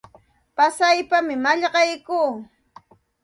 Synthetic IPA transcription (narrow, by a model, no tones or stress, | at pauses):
pasajpamɪmaʎɢɑjkuː